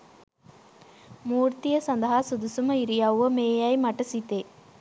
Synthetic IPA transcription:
muːɾt̪ɪjɐsɐnd̪ɐɦaːsud̪usumɐiɾɪjaːʋomeːjaːjmɐʈːɐsit̪ːeː

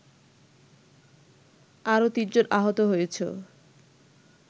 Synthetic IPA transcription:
aɾot̪id͡ʑonʔaɦot̪oɦojet͡ɕʰo̰

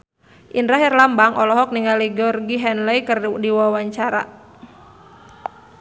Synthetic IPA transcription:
ʔindɾaɦɛrlambaŋʔɔlɔɦɔk̚niŋaliɡɔrɡiɦɛnlɛjkərdiwawaɲt͡ʃaɾa̰

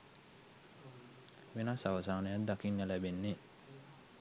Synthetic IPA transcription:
ʋenasaʋɐsaːnejad̪akinːəlæbenːe

